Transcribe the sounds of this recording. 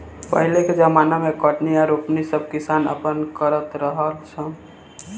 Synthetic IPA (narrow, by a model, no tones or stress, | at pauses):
pəɦleked͡ʒəmanamekəʈniaɾupnisəb̚ʱkɪsanə̰pənkəɾət̪ɾəɦəlsʰə̃